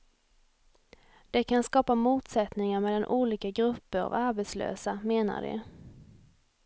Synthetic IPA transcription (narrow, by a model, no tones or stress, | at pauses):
d̪̥ɛkʰanskɑːpamuːt̪sɛt̪nɪŋaɾmɛlːanʔuːliːkaɡɾɵpːəɾɔ̰vaɾbɛt̪slø̰ːsameːna̰ɖɛ̰